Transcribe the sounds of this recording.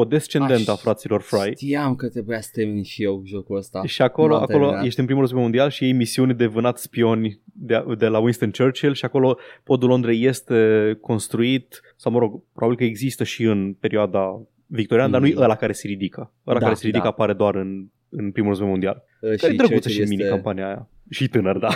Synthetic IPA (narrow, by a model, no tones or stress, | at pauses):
od̪est͡ʃe̞nd̪e̞nt̪əafɾat̪silo̞rfɾajt̪iamkət̪ebujast̪emniʃijewʒokuəst̪aʃiako̞lo̞a̰ko̞loje̞ʃt̪eɨnpɾimuɾəz̬bemo̞nd̪ialʃije̞jmisiunʲd̪evɨnat̪spio̞nʲd̪ed̪e̞lawinst̪ənt͡ʃert͡ʃelʃiako̞lo̞po̞d̪ulo̞nd̪ɾeje̞st̪e̞ko̞nst̪ɾuit̪ | sawməɾo̞ɡpɾo̞babilkəeɡzist̪əʃiɨnpe̞ɾioad̪a | vik̚t̪oɾianəd̪anujeʔəlakaɾe̞seɾid̪ikʰə | əlakaɾe̞seɾid̪ikəapaɾe̞d̪oaɾɨn | ɨnpɾimuləzvemo̞nd̪ia̰l | kaɾed̪ɾəɡut̪səʃiminikampanijaːja | ʃit̪ɨnərd̪a